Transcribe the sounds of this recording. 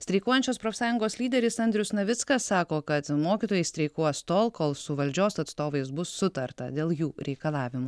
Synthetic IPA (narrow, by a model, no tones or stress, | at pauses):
sʲt̪ʲɾʲɛɪkoːjɛnʲt͡ʃʲoːspɾoːfsɑːjʊŋɡoːsʲlʲiːd̪ʲɛɾʲɪsɐnʲd̪ʲɾʲʊsnɐʋʲɪtskɐssɑːkoːkɐt̪moːkʲit̪oːjɛɪsʲt̪ʲɾʲɛɪkuːst̪oːlˠkoːlˠsʊʋɐlʲd͡ʒʲoːsɐt̪st̪oːʋɐɪs̬bʊsːʊt̪ɐɾt̪ɐ̰d̪ʲeːlˠjuːɾʲɛɪkɐlˠɑːʋʲɪmu